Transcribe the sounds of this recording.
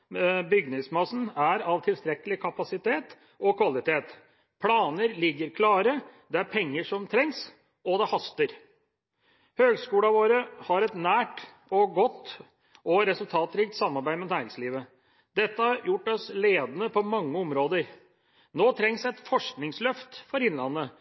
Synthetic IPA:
bʏɡnɪŋsmɑsn̩æɾɑʋt̪ʰɪlst̪ɾɛkːəlɪkʰɑpɑsɪt̪ʰeːt̪ | ɔkʰʋɑlɪt̪ʰeːt̪ | pʰlɑːnəɾlɪɡːəɾkʰlɑːɾəd̪ɛæɾpʰɛŋːəʂɔmt̪ʰɾɛŋs | ɔd̪ɛhɑst̪əɾ | høːɡskuːlɑʋoːɾəhɑɾɛt̪næːʈ | ɔɡɔt̪ː | ɔɾɛsʉlt̪ʰɑːt̪ɾiːk̚t̪sɑmːɑɾbæɪd̪mɛnæːɾɪŋsliːʋə | d̪ɛt̪ːəhɑjʊʈːɔsleːd̪ənəpʰɔmɑŋːəɔmɾoːd̪əɾ | noːt̪ʰɾɛŋsɛt̪fɔʂknɪŋslœft̪fɔɾɪnlɑnːə

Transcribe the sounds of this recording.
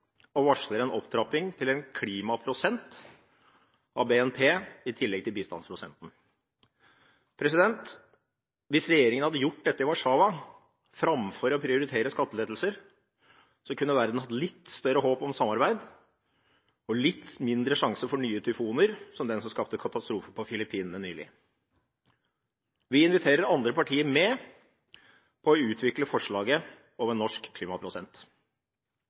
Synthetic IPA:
ɔʋɑʂləɾɛnɔpt̪ʰɾɑpɪŋt̪ʰɪlɛnkʰliːmɑpʰɾʊsɛnt̪ | ʔɑʋbeːɛnpʰeːɪt̪ʰɪlːɛɡ̚t̪ɪlbiːst̪ɑ̰nspʰɾʊsɛ̰nt̪n̩ | pʰɾɛsɪd̪ɛnt̪ | ʋɪsɾɛjeːɾɪŋənhɑd̪ːəjʊʈ̚ːd̪ɛt̪ːɾɪʋɑʂɑːʋɑ | fɾɑmfɔɾɔpʰɾɪʊɾɪt̪ʰeːɾəskɑt̪ːəleːd̪l̩səɾ | sɔkʉnːəʋæɾd̪n̩hɑt̪ːlɪt̪ːst̪œɾəɦoːpɔmsɑmːɑɾbæɪd̪ | ɔlɪt̪ːmɪnd̪ɾəʂɑŋsəfɔɳyːət̪ʰʏfuːnəɾsɔmd̪ɛnsɔmskɑpt̪əkʰɑt̪ɑst̪ɾuːfəpʰɔfɪlɪpʰiːnnənyːlɪ̰ | ʋɪɪnʋɪt̪ʰeːɾəɾɑnd̪ɾəpɑʈʰiːəɾmɛ | pʰɔɔʉːt̪ʰʋɪkləfɔʂɭɑːɡə | oːʋənɔʂkʰːliːmɑpʰɾʊsɛnt̪

